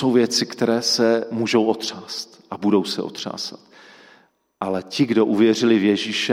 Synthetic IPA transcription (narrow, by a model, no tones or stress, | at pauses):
o̞wvjɛt͡sɪkt̪ɛɾɛːsɛmuʒo̞wʔo̞t̪r̝̥aːst̪ʔabudo̞wsɛ̰ʔo̞̰t̪r̥a̰ːsḁt̪ | ʔalɛcɪɡdo̞ʔuvjɛr̝ɪlɪvjɛʒiːʃɛ